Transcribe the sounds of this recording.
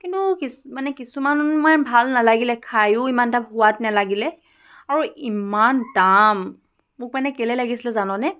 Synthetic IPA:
kintukismanɛkisumannmanbʱalnalaɡilɛkʰajʊimandaphʊwatnalaɡilɛ | aɹuimandamː | ʊk̚manɛkɛlɛlaɡisilɛzanɔ̃nɛ

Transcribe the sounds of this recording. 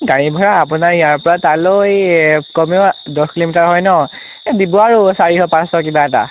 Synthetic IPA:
ɡaɹibʱɔɹaːpʊnaɹijaɹpɔɹatalojkɔmdɔkilimitaɹɦɔjnɔ | dibɔaɹusaɹikɔpãsɔkibaɛta̰

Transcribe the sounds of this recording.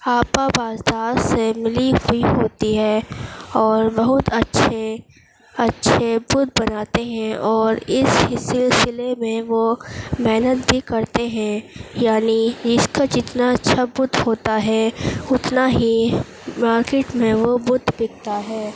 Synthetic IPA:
aːpabaːzd̪aːzsemɪliɦʊiɦoːt̪iɦɛːɔːɾbɐɦʊt̪ɐtːʃʰe | ɐtːʃʰebʊd̪ʱbɐnaːt̪eɦɛ̃ɔːɾɪsɪsɪlsɪlemẽʋomɛːnət̪bʱikɐɾt̪eɦɛ̃jaːnid͡ʒɪskad͡ʒɪt̪naɐtːʃʰabʊd̪ʱɦoːt̪aɦɛʊt̪naɦi | maːɾkeːʈmẽʋobʊd̪ʱbɪk̚t̪aɦɛː

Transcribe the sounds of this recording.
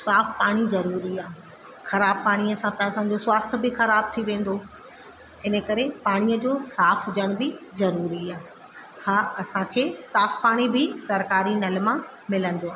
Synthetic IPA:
saːfpaːɽ̃izɐɾuːɾiaː | xɐɾaːb̚paːɽ̃iɐsãt̪ɐɐsãd͡ʑosʊaːst̪̆ʰbɪxɐɾaːb̚t̪ʰiʋẽːn̆d̪o | ɪnə̆kɐɾepaːɽ̃ijəd͡ʑoːsaːfɦʊd͡ʑəɽ̃ʊbɪzɐɾuːɾiaː | haːɐsãkʰeːsaːfpaːɽ̃ibʱɪsɐɾkaːɾinɐlmã | mɪlə̃nd̪oaːɦ

